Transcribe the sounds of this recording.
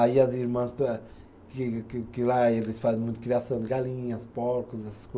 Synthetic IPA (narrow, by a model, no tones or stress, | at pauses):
aiaziɾmɐ̃st̪ɐ | kɨkkɨlaelɨsfazẽmũt̪ukɾiasɐ̃w̃d̪ɨɡalĩɲɐspɔɾkuzɛsɐ̥sko